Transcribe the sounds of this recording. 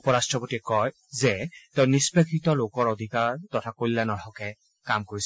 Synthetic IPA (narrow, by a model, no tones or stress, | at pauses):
upɔɹastɹɔpotiɛkɔj | zɛteʊ̃nispekʰitɔlokɔɹod̪ʱikaɹtɔtʰakolːanɔtʰɔkɛ | kamkoɹisɛ